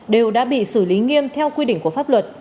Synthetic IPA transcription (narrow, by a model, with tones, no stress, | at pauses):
ɗe˨˩wɗa̰ː˧˥ɓḭ˧˨sɨ˧˩li˨˦ŋi˧əmt̪ʰɛ˧wkwi˧ɗḭ˧˨ŋ̟ku˧˩əfaː˦˥p̚lwə˨˩t̚